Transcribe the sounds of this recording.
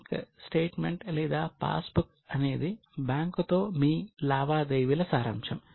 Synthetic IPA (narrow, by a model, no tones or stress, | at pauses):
kɐ̰sʈeːʈmeɳʈlɛːd̪aːpa̰ːsbuk | ɐne̞ːd̪i | baːŋkut̪o̞ːmiːlaːʋaːd̪ejʋilɐsaːɾɐ̰mʂɐm